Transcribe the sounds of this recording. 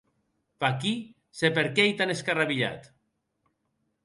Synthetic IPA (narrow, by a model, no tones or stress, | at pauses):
paki | sepeɾkejt̪aneskaraβiʎa̰t̪